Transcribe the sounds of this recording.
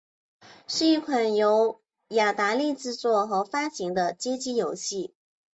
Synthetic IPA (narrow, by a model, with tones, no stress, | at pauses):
ʂɻ̩˥˧i˥˩kʰwə˨˩njo˧˥ʊ | ja˨˩t̪a˧˥li˥˧ʈ͡ʂɻ̩˥˧t͡swɔ˥˩xɤ˧˥fa˥ɕi˧˥ŋd̪ə˧t͡ɕjɛ˥t͡ɕi˥jo˨˩ʊɕi˥˩